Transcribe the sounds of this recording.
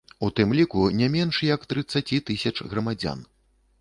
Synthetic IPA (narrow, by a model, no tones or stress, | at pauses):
ut̪ɨmlʲikunʲamʲɛnʂjɐkt̪ɾɨt̪sːat͡sʲit̪ɨsʲɐt͡ʂɣɾɐmad͡zʲa̰n